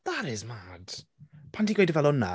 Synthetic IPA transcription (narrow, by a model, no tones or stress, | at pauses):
ðaɾɪzmad̥pʰantiɡwɔjdəvɛlɔnːa̰